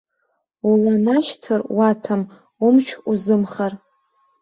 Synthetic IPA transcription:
ulanaʃtʰɨrwatʰam | umt͡ʃʷʰuzɨmχar

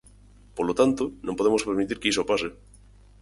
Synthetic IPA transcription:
polot̪ant̪onõmpoemospeɾmit̪iɾkeisopase

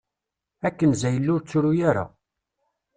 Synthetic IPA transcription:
ækːənzæjəlːʊɾt͡sːʊɾujaɾa̰

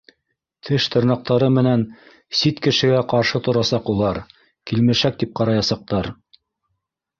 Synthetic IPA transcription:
t̪ʰɘʃt̪ɤ̆ɾnɑq̚t̪ɑɾɤmɘ̆næn | sit̪kɘ̆ʃɘ̆ɡæqɑɾʃɤt̪ŏɾɑsɑqulˠɑɾ | kilmɘ̆ʃæk̚t̪ip̚qɑɾɑjɑsɑq̚t̪ɑɾ

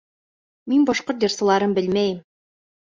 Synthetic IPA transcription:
minbɒʃqoɾt̪̚dʲersɤ̆lˠɑɾɤmbɘlmæjɘm

